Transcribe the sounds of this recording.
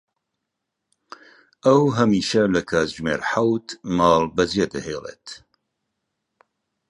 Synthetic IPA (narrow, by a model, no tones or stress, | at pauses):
ɐwɦɐmiːʃɐlɐkʰaːzʒmḛːɾħawt̪mɑːlbɐzied̪ɐ̰heːlḛːt̪